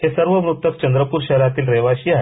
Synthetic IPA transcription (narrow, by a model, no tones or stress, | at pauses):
ɦesəɾʋəʋɾut̪əkt͡ɕənd̪ɾəpuːɾɕəɦɾat̪iːlɾeʋaɕiːaɦe